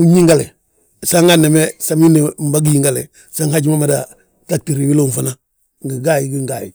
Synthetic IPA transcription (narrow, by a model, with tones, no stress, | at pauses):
u˦ɲi˦ŋɡa˦le˨ | sa˦ŋa˦ne˨me˦sa˦mi˦ne˨mba˦ɡi˦ji˦ŋɡa˨le˨ | sa˦ŋha˦ɟi˦ma˦ma˨da | ta˦k̚ti˨ɾi˨wi˦lo˦˨nfana˦ | ŋɡi˨ɡa˦˨ji˨ɡi˦ŋɡa˨jḭ˨